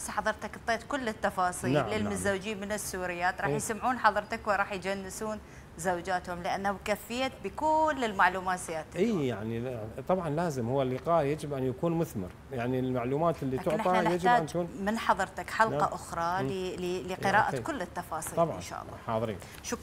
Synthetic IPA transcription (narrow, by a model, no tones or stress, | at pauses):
sħɑðˤɨɾˤt̪akt̪ˤːeːt̪kʊlːɪt̪ːɑfɑːsˤiːnalʕlːɪlmɪzːawd͡ʒiːmɪnɪsːuːɾɪjːaːt̪ɾˤɑːħjsamʕuːnħɑðˤɨɾˤt̪akwɪɾˤɑːħjt̪d͡ʒanːɪsuːn | zawd͡ʒaːt̪hʊmlɪʔanːhabkafːɪjːabikuːnːɪlmaʕluːmaːt̪zɪjaːt̪ʔiːjaʕnit̪ˤɑbʕɑnlaːzɪmhʊwːalːɪqɑːʔjad͡ʒɪbʔanjakuːnmʊθmɪ̰ɾ | jaʕnilmaʕluːmaːt̪ɪlːiat̪ʊɪʕnʔɪˤianjad͡ʒtɪaːant̪kuːnmɪnħɑðˤɨɾt̪akħɑlqɑʔʊxɾˤɑllɪqɪɾaːʔakʊlːɪt̪ːɑfɑːsˤiːt̪ːɑbʕnʃa̰ːʔɑ̰lːɑ̰ħɑːðˤɾḭːn | ʃʊk